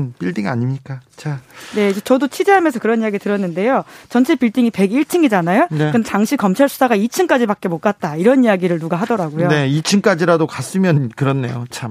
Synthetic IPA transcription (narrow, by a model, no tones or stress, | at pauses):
npiɭdiŋa̰ɲimɲik͈at͡ɕʰane̞id͡ʑet͡ɕʌdot͡ɕʰid͡ʑeɦamjʌnsʰʌkɯɾʌnijaɡitɯɾʌnːɯnde̞jot͡ɕʌnt͡ɕʰepiɭt͈iŋipe̞ɡiɭt͡ɕʰɯŋɡid͡ʑanajonekɯndetaŋɕʰikʌmt͡ɕʰaɭsʰu̥sʰaɡait͡ɕʰɯŋk͈ad͡ʑibak͈emok͈̚at̚t͈aiɾʌnijaɡiɾɯɭnuɡaɦadʌɾaɡojone̞it͡ɕʰɯŋk͈ad͡ʑiɾadokas͈ɯmjʌnkɯɾʌnːe̞̰jot͡ɕʰam